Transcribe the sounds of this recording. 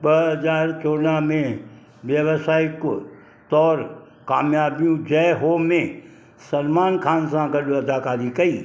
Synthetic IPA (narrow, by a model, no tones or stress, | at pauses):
ɓɐɦɐd͡ʒaːɾt͡ʃoːnamẽ | ʋjɐʋsaːɪk | t̪ɔːɾ | kaːmjaːbijũd͡ʒɛːɦoːmẽ | sɐnmaːnkʰaːnsãɡɐɗoɐd̪ʱaːkaːɾikɐiː